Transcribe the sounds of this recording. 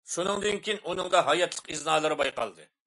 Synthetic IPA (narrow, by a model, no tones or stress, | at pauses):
ʃunɨŋd̪ɨnkʲijinʔunɨŋd̪ɑɦɑjɑt̪ʰlˠə̥qiznɑːlˠɨɾɨbɑjqɑ̰lˠd̪ɨ̰